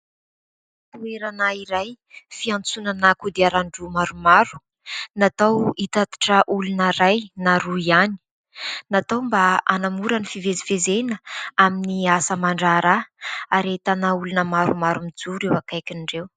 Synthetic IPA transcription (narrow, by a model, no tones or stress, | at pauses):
t̪ueɾanaiɾaj | fiant͡sunanakud̪eaɾaɳɖ͡ʐumaɾumaɾu̥ | nat̪awit̪at̪i̥ʈ͡ʂəʔulunaɾajnaɾuiani̥ | nat̪awmbaanamuɾənifivezivezenəaminiasəmaɳɖ͡ʐaɾaaɾet̪anaulunəmaɾumaɾumid͡zuɾewakajkʲinɖ͡ʐew